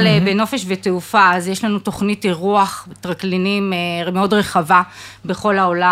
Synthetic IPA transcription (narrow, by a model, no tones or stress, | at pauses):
lebeno̞feʃveteufaːzjeʃlanuto̞χnitiʁuaχtʁaklinimemeodʁeχava | be̞χo̞laola